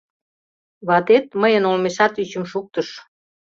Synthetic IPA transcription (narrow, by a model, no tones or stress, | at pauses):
βɑt̪et̪̚məjənolmeʃɑt̪yt͡ɕəmʃuk̚t̪əʃ